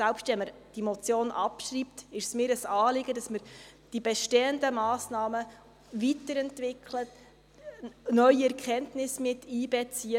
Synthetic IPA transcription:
sɛlpʃtʋɛnmːəɾd̥imot͡sjoːnʔɑ̰pʃriːp̚t̪ɪʃsmɪːɾəsɑːlɪɡədɑsməɾd̥ibɛʃteːəndəmɑːsnɑːmə | ʋitəɾɛntʋɪkʰlət | nœʏiɛɾʁkχɛntnɪsmɪtːiːb̥ɛt͡siə

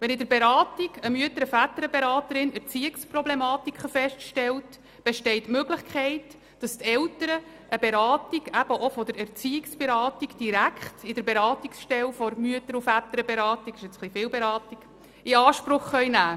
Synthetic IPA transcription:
ʋɛnɪdəɾbeɾɑːtiɡəmyətəɾəfætəɾəbeɾɑːtəɾɪnɛɾt͡siɪksprɔblemɑːtikχəfɛʃtʃtɛlt | b̥ɛʃtɛɪtmøɡlɪχkʰχɛɪt | d̥ɑstɛltəɾə | ʔəbeɾɑːtiɡæb̥əʔofɔd̪əɾɛɾt͡siɪksb̥ɛɾɑːtiɡd̥iɾækχtɪd̥əɾbeɾɑːtiksʃtɛlfɔɾmyətəɾufæt̪əɾəbeɾɑːtiɡ̥ɪʃɛt͡sχlifɪːlbɛɾɑːtiɡ̥ | ɪɑːʃpɾʊχːœjnæː

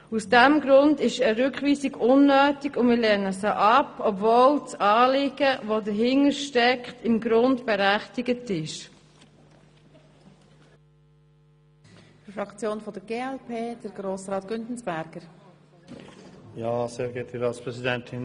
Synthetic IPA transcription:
usd̥ɛmɡɾʊndɪʃəɾʏkχʋiːsiɡʊnːøːtiɡʊnmɪlɛnəsəʔɑpɔpvoːlt͡sɑːlɪɡ̥əʋodəɾɦɪŋəɾʃtɛkχtɪmɡɾʊndb̥ɛɾæχtɪɡətɪʃ | fɾɑkt͡sjoːnfɔd̥əɡeːɛlpʰeːd̥əɾɡɾoːsɾɑːt̪ɡ̥ʏntn̩sb̥æɾɡ̥əɾ | jaːseːɾɡɛtʰiɾɑːtspʁɛsidɛntʰɪn

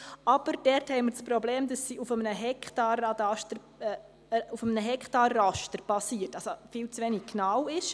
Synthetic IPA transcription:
ʔɑb̥əɾd̥ɛrthɛɪməɾt͡spɾɔbleːmdɑsːiːufəmənəɦɛkχtɑrɑdɑʃtəɾ | ufəmənəɦɛktɑrːɑʃtəɾb̥ɑsiːərtɑlsofiːlt͡sʋɛniɡ̚knawɪʃ

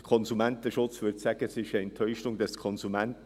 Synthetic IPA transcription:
kʰɔnzumɛntəʃʊt͡sʋʏɾtsæɡ̥əsɪʃɛɛnt̪ʰœʏʃʊŋdɑskʰɔnzumænt

